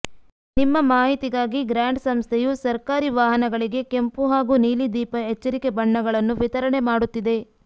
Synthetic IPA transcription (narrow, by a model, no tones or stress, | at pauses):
nimːɐmaːɦit̪iɡaːɡiɡɾaːɳɖsɐmst̪ʰejusɐɾkaːɾiʋaːɦɐnɐɡɐɭiɡe̞ke̞mpuɦaːɡuniːlid̪iːpɐɦet͡ʃːɐɾike̞bɐɳːɐɡɐɭɐnːuʋit̪ɐɾɐɳe̞maːɽut̪ːid̪e̞